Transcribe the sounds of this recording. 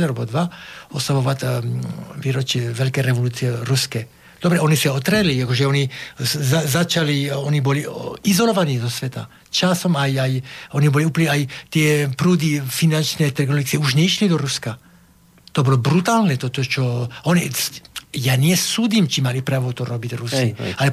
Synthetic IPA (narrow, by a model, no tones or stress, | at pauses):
eɾobod̪ʋaosaʋoʋat̪ | ʋiːɾot͡ʃiʋelikeɾeʋoluːsijeɾuske | d̪obɾeonisɛot̪ɾeliakoʒɛonizazat͡ʃalioniboliizoloʋanid̪osʋet̪a | t͡ʃasomajajoniboliuplnɛajt̪iepɾuːd̪ifinant͡ʃnɛt̪ɛɾɡnoliksɛuʃnɛiʃlid̪oɾuska | t̪obolobɾut̪aːlnɛt̪ot̪ot͡ʃooni | jaːnijɛsuːd̪imt͡ʃimalipɾaːʋot̪oɾobit̪ʲrusialɛ